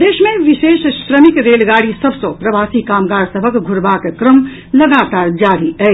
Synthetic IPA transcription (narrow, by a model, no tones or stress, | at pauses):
d̪eːʃmẽʋɪʃeːʃʃɾəmɪkɾeːlɡaːɽisəbsõpɾɐʋaːsikaːmɡaːɾsəbʱəkɡʱʊɾbaːkekɾəm | lɐɡaːt̪aːɾd͡ʒaːɾiɛ